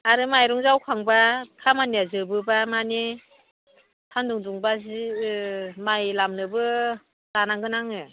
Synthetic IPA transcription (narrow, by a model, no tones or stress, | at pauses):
aɾɯmajɾɔŋzawkʰaŋbakʰamaniazɯbɯbamane | tʰanduŋduŋbazi | majlamnɯbɯ | tanaŋɡɯnaŋɯ